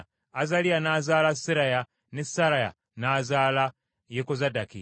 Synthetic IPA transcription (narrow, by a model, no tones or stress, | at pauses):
azalianaːzaːlasiɾaja | nesaɾaja̰ | naːzaːla | jekozadakḭ